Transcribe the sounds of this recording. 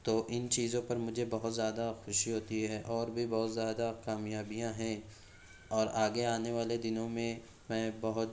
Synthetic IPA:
t̪oːʔɪnt͡ʃiːzõpɐɾmʊd͡ʒʱebɐɦʊt̪zjaːd̪axʊʃiɦoːt̪iɦɛʔɔːɾbʱibɔːʊt̪zjaːd̪akaːmijaːbijãɦɛ̃ | ɔːɾaːɡeaːneʋaːled̪ɪnõmẽ | mɛ̃ːbɐɦʊt̪

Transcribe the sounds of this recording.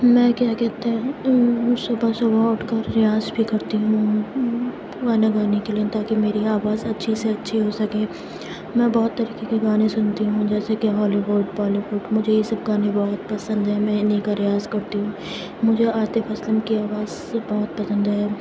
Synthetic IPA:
mɛ̃ːkjakɛːt̪eɦɛ̃ | sʊbʱasʊbʱaʊʈʰkaɾɪjaːzbʱikɐɾt̪iɦũ | ɡaːneɡaːnekeliet̪aːkimeːɾiaːʋaːzɐtːʃʰiseɐtːʃʰiɦosɐkẽː | mɛ̃ːbɔːʊt̪ːɐɾiːkekeɡaːnesʊnt̪iɦũd͡ʒɛːsekiɦɔːliʋʊɖbɔːliʋʊɖmʊd͡ʒʱejesɐbɡaːnebɔɦt̪pɐsə̃nd̪ɦɛmɛ̃ɪnĩkaɾɪjaːzkɐɾt̪iɦũː | mʊd͡ʒʱeʔaːt̪efʰɐslənkiaːʋaːz | bɔɦʊt̪̚pɐsə̃nd̪ɦɛː

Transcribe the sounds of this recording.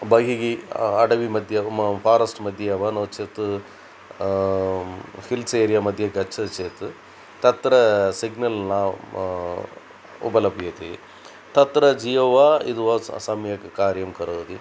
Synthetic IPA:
bɐɡiɡiɐɖɐʋimɐd̪ʱjɐpʰaːɾɐsʈmɐd̪ʱjɐʋɐnɐt͡ʃeːt̪u | hilseːɾijɐmɐd̪ʱjɐɡɐt͡ʃʰːɐt͡ʃeːt̪u | t̪ɐt̪ɾɐsiɡnɐlnɐ | ṵbɐlɐpijɐt̪i | t̪ɐt̪ɾɐd͡ʒiːɐʋaḭd̪uʋɐsɐmjɐkkaːɾjɐmkɐɾɐt̪i

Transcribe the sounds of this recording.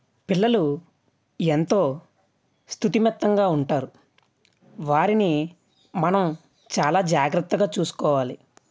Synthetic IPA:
pilːɐlu | ent̪o̞ː | st̪ʰut̪imɐt̪ːɐŋɡaːuɳʈaːɾu | ʋaːɾini | mɐnɐm | t͡ʃaːlaːd͡ʒaːɡɾɐt̪ːɐɡaːt͡ʃuːsu̥kɔːʋaːli

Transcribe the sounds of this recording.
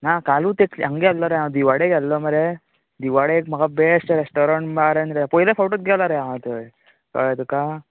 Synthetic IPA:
nakaːluːt̪eklḭɐŋɡeɐlːɔɾejãd̪iʋaɽeɡɐlːɔmɐɾe | d̪iʋaɽekmɐɡabesʈɾesʈɔɾaɳʈbaːɾend̪ɾeapɔilefowʈot̪̚ɡɛlaɾejãʋət̪u | kɔ̰t̪uka

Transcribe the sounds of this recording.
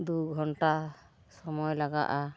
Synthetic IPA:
d̪uɡʱɔɳʈa | sɔmɔjlaɡa̰ʔa

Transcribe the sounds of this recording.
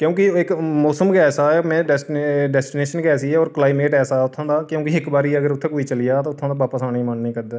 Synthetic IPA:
kjõːkɪɪkmoːsəmkɛːsaːɛːmɛ̃ːɖɛsʈɖɛːsʈɪneːʃənkɛːsiːɛːɔːɾklaːɪmeːʈɛːsaːɛʊt̪ʰːãːd̪aːkjõːkɪɪkbaːɾiːəɡəɾʊt̪ʰːeːkoːiːt͡ʃəlijaːt̪oːʊt̪ʰːãːd̪aːʋaːpəsaːnĩːmənːĩːkəɾd̪aː

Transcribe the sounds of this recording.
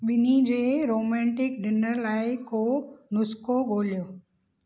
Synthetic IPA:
ɓɪnid͡ʑeːɾoːmɛ̃ːɳʈɪk̚ɖɪnəɾlaːɪkʰoːnʊskoɡoːlijoː

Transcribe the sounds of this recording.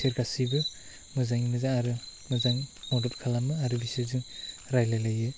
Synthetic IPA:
seɾkasibɯ | mɯzaŋimɯzaŋaɾɯmɯzaŋmɔdɔtkʰalanmɯaɾɯbisaziŋɾajlajlajɯ

